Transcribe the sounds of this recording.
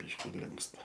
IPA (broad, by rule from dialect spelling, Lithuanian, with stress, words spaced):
ˈbʲiːʃʲkʲɪ ˈlʲɪŋkstɐ